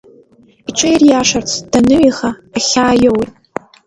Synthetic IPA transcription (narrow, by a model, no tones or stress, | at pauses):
iʈ͡ʂʷʰʼɨjrjaʂart͡sʷʰd̥anɨɥiχaːχʲaːjowtʼ